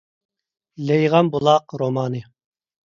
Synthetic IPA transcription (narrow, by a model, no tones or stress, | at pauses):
lɛjʁɑmbulˠɑqɾomɑːnɨ